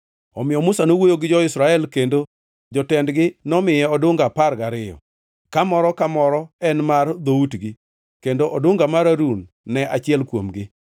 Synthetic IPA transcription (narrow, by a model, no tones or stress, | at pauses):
ɔmɪjɔmʊsanowojoɡɪd͡ʒɔɪsɾaɛlkendo | d͡ʒɔtɛndɡɪnɔmɪjɛɔdʊŋɡaparɡaɾɪjɔ̰ | kamɔɾɔkamɔɾɔɛnmard̪outɡɪ | kendoʔɔdoŋɡamaɾaɾunː | ɛʔat͡ʃɪɛlkwomɡɪ